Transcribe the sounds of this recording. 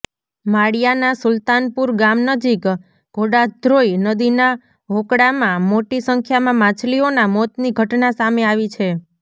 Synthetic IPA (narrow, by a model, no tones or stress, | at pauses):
maɽjanasʊlt̪anpuɾɡamnəd͡ʒik | ɡ̥ʱoɽad̪ʱɾoinəd̪ina | ɦokɽamãmoʈisəŋkʰjamãmãt͡ʃʰlionamɔt̪niɡʱəʈnasameaʋit͡ʃʰe